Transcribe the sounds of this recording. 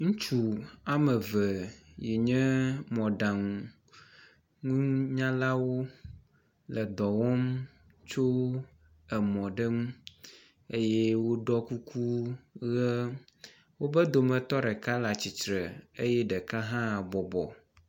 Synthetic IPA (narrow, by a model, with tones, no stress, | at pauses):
ŋũ˦t͡ʃu˨a˦mə˨və˨je˨ɲɛ̃˦mɔ̃˨ɖa˨ŋ˨ | ŋũ˦ɲã˦la˦wo˦ | lə˨d̪ɔ˨wɔ˦m | t͡ʃo˦ | ə˨mɔ̃˨ɖə˦ŋũ˦ | e˦jɛ˦wo˦ɖɔ˦ku˦kʰu˦ɣə˦ | wo˦bə˦d̪o˨mə̃˨t̪ɔ˦ɖɛ˨ka˦la˨t͡ɕi˨t͡ʃɾə˨e˦jɛ˦ɖə˨ka˦ɦã˦˨bɔ˨bɔ̰˨